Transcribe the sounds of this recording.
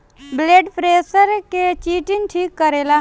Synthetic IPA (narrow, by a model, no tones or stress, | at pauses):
bleːɖpʰɾeːsəɾket͡ʃiːʈɪnʈʰiːkːəɾeːlaː